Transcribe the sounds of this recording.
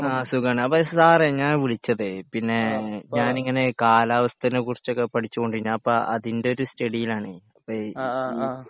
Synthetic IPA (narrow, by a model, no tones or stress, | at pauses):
aːsuɣaːɳɨɐpːosaːreɲaːnʋiɭit͡ɕːɐðɨpinːe̞ɲaːniŋːɐne̞kaːlaːʋɐst̪ʰɐinɨkurit͡ɕːokːepɐʈʰit͡ɕːuko̞ɳɖiɲːaɐpːɐʔɐðinde̞o̞ɾusʈɐɽijilaːɳɨɐpːɐ